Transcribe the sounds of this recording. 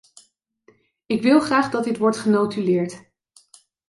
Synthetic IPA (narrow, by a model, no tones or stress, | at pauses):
ɪkʋɪlˠχraːχdɑtɪtʋɔɹtχənowtylɪːɹt